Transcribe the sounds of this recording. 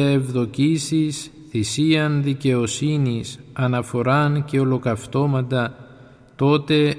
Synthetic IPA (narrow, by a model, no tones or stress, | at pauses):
evðo̞cisis | θisiɐnðice̞o̞sinisɐnɐfo̞ɾɐnce̞o̞lo̞kɐft̪o̞mɐnd̪ɐ | t̪o̞t̪e̞